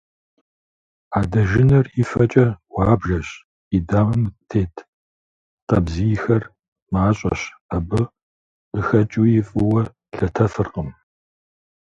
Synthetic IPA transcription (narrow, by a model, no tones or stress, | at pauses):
aːdɐʒɪnɐrjɪfɐt͡ʃʼɐwaːbʒɐɕ | idaːmɨmtʰeːtʰ | tʼɐbzijxɐr | maːɕʼɐ̰ɕɐbɨ | əxɐt͡ʃʼujɪfʼɨwɐ | ɬɐtʰɐfɨrqəm